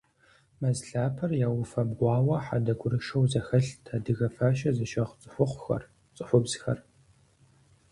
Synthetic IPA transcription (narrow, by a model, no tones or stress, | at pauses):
mɐzɬaːpʰɐrjaːwʊfɐbɡʷɑːwɐħadɐɡʷʊɾɨʃɐwzɐxɐɬtʰadɨɣɐfaːʃɐzɐʃɐʁt͡sʼɨħʷʊqʷʊxɐ̰r | t͡sʼɨħʷʊbz̥xɐ̰r